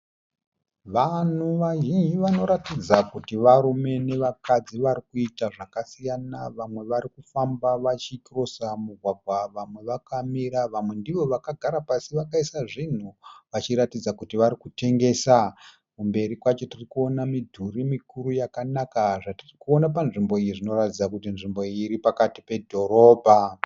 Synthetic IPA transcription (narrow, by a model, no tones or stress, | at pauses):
ʋan̤uʋaʒiɲiʋano̞ɾatid͡zakutiʋaɾume̞ne̞ʋakad͡ziʋaɾikuitaʐakasijanaʋamwe̞ʋaɾikufambaʋat͡ʃikro̞samuɡʱwaɡʱwaʋamwe̞ʋakamiɾaʋamwe̞ndiʋo̞ʋakaɡʱaɾapasiʋakaisaʐin̤uʋat͡ʃiɾatid͡zakutiʋaɾikute̞ŋɡe̞sa | kumbe̞ɾikwat͡ʃo̞tirikuo̞namidʱurimikuɾujakanakaʐatirikuonap̬anʐimbo̞ijiʐino̞ɾatid͡zakutinʐimbo̞iiɾipakatipe̞dʱo̞ɾo̞ːbʱa